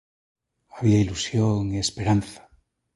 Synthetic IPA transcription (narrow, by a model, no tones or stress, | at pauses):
aβiailusjoŋiespeɾanθḁ